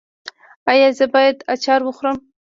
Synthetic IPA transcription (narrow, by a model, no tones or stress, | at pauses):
ajɑzəbɑjad̪at͡ʃɑɾwəxɾəm